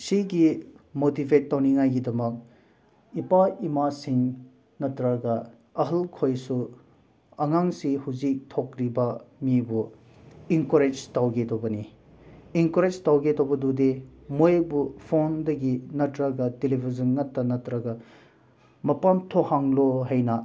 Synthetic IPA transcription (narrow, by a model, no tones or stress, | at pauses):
siɡimotibʱetːawniŋajɡidɐmɐk̚ | ipaimasiŋ | nɐtɾɐɡɐ | ɐɦɐlkʰojsu | ɐŋaŋsihuzik̚tʰokɾibɐmibu | iŋkoɾed͡ʒtawɡedobɐni | iŋkoɾed͡ʒtawɡedobɐdudemojbupʰondɐɡinɐtɾɐɡɐdelibʱizɐnŋɐtːɐnɐtɾɐɡɐ | mɐpamtʰohaŋloɦɐjnɐ